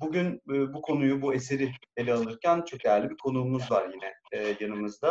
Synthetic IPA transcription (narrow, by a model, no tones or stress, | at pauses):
buɟynːbukʰo̞nujubue̞seɾie̞lʲɛalˠɯɾcʰænt͡ʃʰo̞k̚d̪ejæɾlʲibiɾkʰo̞nuːmuzvaɾjinɛːjanɯmɯzd̪a